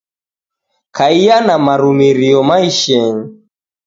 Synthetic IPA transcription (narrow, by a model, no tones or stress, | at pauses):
kʰaijanamaɾumiɾiɔmaiʃɛŋ̩